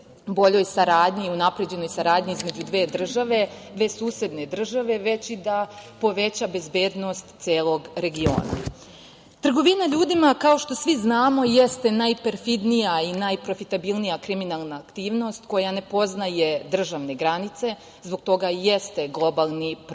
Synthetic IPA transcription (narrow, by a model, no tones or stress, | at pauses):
bo̞ʎo̞jsaɾaːd̪ɲiunapɾe̞d͡ʑe̞no̞jsaɾaːd̪ɲiizme̞d͡ʑud̪ʋeːd̪r̩ʒaʋe̞d̪ʋe̞ːsuːse̞d̪ne̞d̪r̩ʒaʋe̞ʋe̞t͡ɕid̪apo̞ʋe̞t͡ɕabe̞zbe̞ːd̪no̞st̪t̪seːlˠo̞ɡɾe̞ɡio̞̰ːna̰ | t̪r̩ɡo̞ʋinaʎuːd̪imakao̞ʃt̪o̞sʋiznaːmo̞je̞st̪e̞najpe̞ɾfid̪nijainajpɾo̞fit̪abilnijakɾiminalˠnaːkt̪iːʋno̞st̪ko̞jane̞po̞znaje̞d̪r̩ʒaʋne̞ɡɾanit̪se̞ | zbo̞ɡ̚t̪o̞ɡajest̪e̞ɡlˠo̞balˠnip